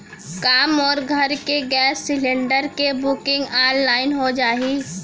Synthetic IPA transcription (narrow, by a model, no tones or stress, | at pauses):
kaːmɔːɾɡʱɐɾkeɡɛːsːɪlẽɳɖəɾkebʊkɪ̃ŋɡaːnlːaːɪnɦod͡ʒaːɦiː